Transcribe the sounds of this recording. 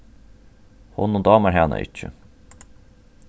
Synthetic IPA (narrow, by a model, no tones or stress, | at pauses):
hʊnːod̪ɑːməɾɦæːnə̰ʔɪ̰t͡ʃːə̰